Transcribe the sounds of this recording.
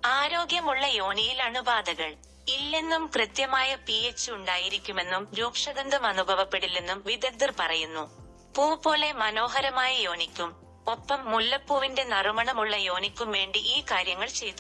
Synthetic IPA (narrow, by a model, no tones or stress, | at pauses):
aːɾo̞ːɡjɐmuɭːɐjo̞ːnijilɐɳubaːd̪ɐɣɐɭ | ilːenːumkrɨt̪jɐmaːjɐpiet͡ɕːɨuɳɖaːjiɾikʲːume̞nːumɾoːkʂɐd̪ɐnd̪ɐmɐnubʱɐʋɐpːe̞ɽilːenːumʋid̪ɐd̪irpɐrɐjunːu | puːpo̞ːle̞mɐno̞ːɦɐɾɐmaːjɐjo̞ːnikʲːum | o̞pːɐmːulːɐpːuːʋinde̞nɐrmɐɳɐmuɭːɐjo̞ːnikʲːumʋe̞ːɳɖiʔiːkaːɾjɐŋːɐɭt͡ɕe̞jt̪ːu